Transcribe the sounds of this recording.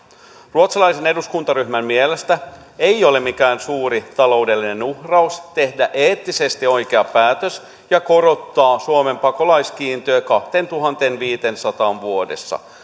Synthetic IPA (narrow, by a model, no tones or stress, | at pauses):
ruot̪sɑlɑise̞ne̞duskunt̪ɑɾyhmæmmielest̪æ | e̞jo̞lemikæːnsuːɾit̪ɑlo̞ude̞lːine̞nuhrɑust̪e̞hdæʔeːt̪ːise̞st̪io̞jk̟eɑpæːt̪øs | jɑko̞ɾo̞t̪ːɑːsuome̞mpɑko̞lɑjsk̟iːnt̪øøːkɑht̪ent̪uɦɑnt̪enʋiːt̪ensɑt̪ɑːnʋuodḛsːɑ̰